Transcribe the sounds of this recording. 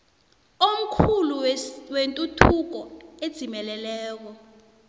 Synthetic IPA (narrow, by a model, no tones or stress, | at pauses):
om̩kʰuluwentʼutʰuk̬ɔed̥z̥ʱimɛlɛlɛːk̬ɔ